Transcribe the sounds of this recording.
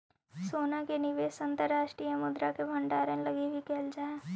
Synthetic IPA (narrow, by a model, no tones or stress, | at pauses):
soːnakenɪʋeːsɐ̃nt̪əɾːaːʃʈɾiːəmʊd̪ɾakebʱɐ̃ɳɖaːɾə̃lɐɡibʱikɛːld͡ʒaːeː